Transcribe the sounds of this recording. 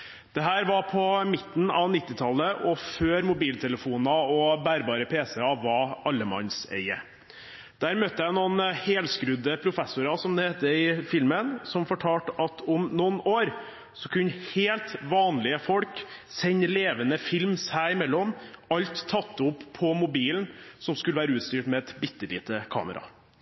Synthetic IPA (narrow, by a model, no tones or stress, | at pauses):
d̪̥ɛɦæːɾʋɑɾpʰɔmɪt̪n̩ɑʋnɪt̪ːɪt̪ʰɑlːəʔɔføːɾmʊbiːlt̪ʰɛləfuːnɑɔbæːɾbɑːɾəpʰeːsəɑʋɑɑlːəmɑ̰nsɛ̰ɪə̰ | d̪̥æːɾmœt̪ːəjæɪnuːnheːlskɾʉd̪əpʰɾʊfɛsʊɾɑsɔmd̪ɛheːt̪əɪfɪlmənsɔmfɔʈʰɑːʈɑt̪ʰʊmnɔnoːɾ | sɔkʰʉnːheːlt̪ʋɑːnlɪəfɔlksɛɲleːʋənəfɪlmsæɪɪmɛlːɔmɑʎt̪ʰːɑt̪ːʊpʰːɔmʊbiːln̩sɔmskʉləʋæːɾəʉːt̪st̪yːʈmɛɛt̪bɪt̪ːəlḭːt̪əkʰɑ̰ːmə̰ɾɑ̰